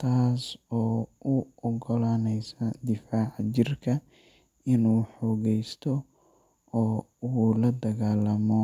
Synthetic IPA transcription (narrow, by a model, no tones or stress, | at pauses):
t̪ʰaːsɔːʊɔɡɔlaːnɛjsɐd̪ɪfaːʕt͡ʃɪrkʰɐ | ɪnuːħɔːɣɛjst̪ʰɔ | ɔː | uːlɐd̪ɐɣaːlɐmɔ